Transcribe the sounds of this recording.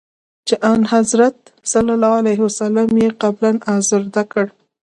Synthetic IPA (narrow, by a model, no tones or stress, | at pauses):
t͡ʃeʔɑnhazɾat̪̚salalɑalajɦwasalamjeqablanazəɾd̪akəɽ